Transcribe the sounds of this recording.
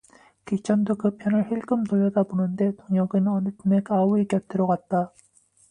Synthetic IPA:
kit͡ɕʰʌndokɯpʰjʌnɯɭhiɭɡɯmtoʎːʌdabonɯnde̞toŋjʌɡɯnʌnɯtʰume̞k͈auikjʌtʰɯɾoɡat̚t͈a

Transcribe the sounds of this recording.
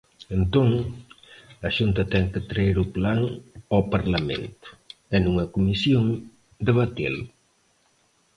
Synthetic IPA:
ent̪oŋ | ɐʃunt̪ɐt̪ɛŋkət̪ɾaeɾʊplaŋawpaɾlamḛ̃nt̪ʊ̥ɛnuŋɐkumisjoŋ | d̪eβat̪ḭl

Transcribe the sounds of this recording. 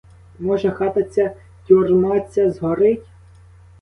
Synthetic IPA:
mɔʒɛxɑt̪ɐt͡sʲːɐ | t̪ʲurmɑt͡sʲːɐzɦɔɾɪtʲ

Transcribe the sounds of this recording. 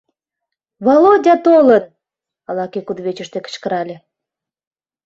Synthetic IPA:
βolod̪ʲɑt̪olət̪̚ | ɑlɑkekud̪βet͡ɕə̆ʃt̪ekə̥t͡ɕkə̆ɾɑlʲĕ

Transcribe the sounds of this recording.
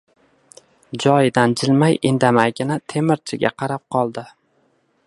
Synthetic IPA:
d͡ʒɒjɪd̪and͡ʒɪlmajɪnd̪amajɡʲɪnat̪ʰe̞mɪɾt͡ʃʰɪɡʲa̰qʰɑɾap̚qʰɒlˠd̪ɪ

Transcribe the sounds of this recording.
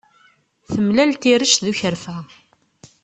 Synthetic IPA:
θəmlælt̪iɾəʃðuçəɾfæ

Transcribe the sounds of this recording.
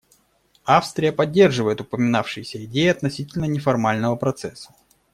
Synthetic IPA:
afst̪ɾʲɪjəpɐdʲːe̞rʐɨvəjɪt̪ʊpəmʲɪnafʂɨjɪsʲəɪdʲejɪɐt̪nɐsʲitʲɪlʲnənʲɪfɐrmalʲnəvəpɾɐt̪sɛsːə̥

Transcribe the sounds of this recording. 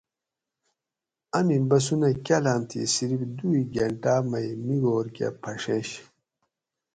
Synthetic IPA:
ɐmibɐs̬unɐkʲɐlamt̪ʰḭsiɾibd̪uiɡɐɳʈaːmɐjmiɡoɾka̰pʰɐʂeɕ

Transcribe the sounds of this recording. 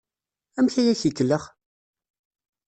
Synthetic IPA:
æmθæjæçikːəlːəχ

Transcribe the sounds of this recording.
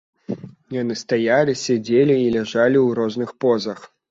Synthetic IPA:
janɨst̪ajalʲisʲad͡zʲelʲiːlʲaʐalʲiwɾɔznɨxpɔzɐx

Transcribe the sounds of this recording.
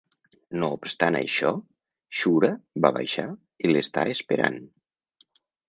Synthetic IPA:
noupst̪anə̰jʃɔ | ʃuɾəbaβa̰jʃa | ilest̪a̰espeɾa̰n

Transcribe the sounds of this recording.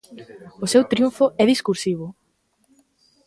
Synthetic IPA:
ʊsewt̪ɾjũɱfʊɛðiskuɾsiβ̞ʊ

